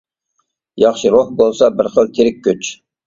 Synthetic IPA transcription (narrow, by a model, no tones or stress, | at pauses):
jɑχʃɨɾohbolˠsɑbɪɾχəlˠt̪ʲʰiɾɪk̚ʲʰːyt͡ʃ